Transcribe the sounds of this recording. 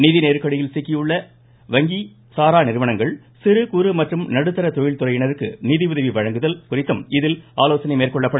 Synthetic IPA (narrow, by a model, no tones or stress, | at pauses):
niːðineːɾɯkːɐɽɪjɪlsɪkːɪjɯɭːɐ | ʋɐŋɡi | saːɾaːnɪɾɯʋɐɳɐŋɡɐɭ | sɪɾɯkuɾɯmɐʈrɯmnɐɽɯt̪ːɐɾɐt̪ɔjɪlt̪ʊrɐjɪɳɐɾɯkːɯniːðɪʋʊðɐʋiʋɐɻɐŋɡɯðɐlkʊrɪt̪ːɯmɪðɪlaːloːsɐnɪmeːrkɔɭːɐpːɐɽɯ